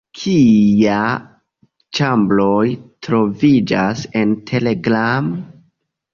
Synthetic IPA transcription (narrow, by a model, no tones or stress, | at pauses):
kʰija | t͡ʃamblo̞jtɾo̞vid͡ʒase̞ntʰe̞leɡɾam